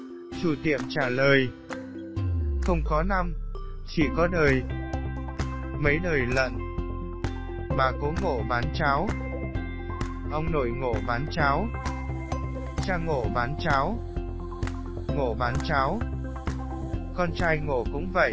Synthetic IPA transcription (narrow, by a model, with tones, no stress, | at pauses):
t͡ɕu˧˩t̪ḭ˧˨əmt͡ɕaː˧˩ləː˨˩j | xə˧wŋ͡mkɔ˨˦na˧mt͡ɕi˧˩kɔ˨˦ɗəː˨˩j | mə˨˦jɗəː˨˩jlə̰˧˨n | maː˨˩ko˨˦ŋo̰˧˨ɓaː˨˦nt͡ɕaː˨˦w | ʔə˧wŋ͡mno̰˧˩˨jŋo̰˧˩˨ɓaː˨˦nt͡ɕaː˨˦w | t͡ɕaː˧ŋo̰˧˨ɓaː˨˦nt͡ɕaː˨˦w | ŋo̰˧˨ɓaː˨˦nt͡ɕaː˨˦w | kɔ˧nt͡ɕaː˧jŋo̰˧˨kʊ̰˧˥ŋ͡mvə̰˧˨j